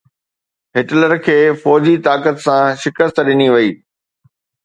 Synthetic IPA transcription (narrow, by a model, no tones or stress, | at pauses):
ɦɪʈləɾkʰeːfɔːd͡ʑit̪aːkət̪sãʃɪkəst̪ɗɪniʋɐiː